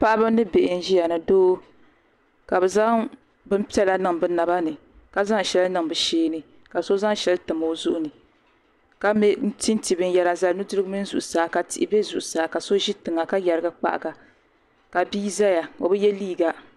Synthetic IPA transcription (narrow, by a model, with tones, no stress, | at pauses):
pa˦ʔa˦bɨ˦mnːɨ˦be˨ʔɪ˨n̩˦ʒi˦ja˨nɨ˨doː˦ | ka˨bɛ˨za˦ŋ | bɨ˦m˦pi˦ɛ˦la˦nɨ˦˨ŋbɨ˦na˨ba˦nɨ˨ | ka˦za˦ŋ˨ʃɛ˦lnɨ˦˨ŋbɨ˨ʃeː˦nɨ˨ | ka˨so˦za˦ŋʃɛ˦ltɨ˨mo˨˦zu˦ʔʊ˦nɨ˨ | ka˦mɛ˦n̩˦ti˦n˦ti˨bɨ˦n˦jɛ˦la˨za˦lnu˦dɨ˦ɾɡmi˦n˦zu˨ʔʊ˨saː˨˦ka˨tḭ˨ʔɪ˦be˦zu˨ʔʊ˨saː˨˦ka˨so˦ʒi˦tɨ˨ŋːa˨ka˦ja˨ɾɨ˦ɡa˦k͡pa̰˨ʔa̰˨ɡa˨ | ka˨biː˦za˦ja˨o˨bɨ˦jɛ˦liː˦˨ɡa˨